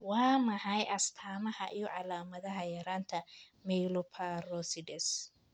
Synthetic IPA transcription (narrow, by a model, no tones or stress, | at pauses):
wɑːmɐħɑjʔɐst̪ʰaːmɐhɐʔijɔʕɑlaːmɐðɐɦɐjɐɾaːnt̪ʰɐmɛjlɔpʰarɔsɪdɛs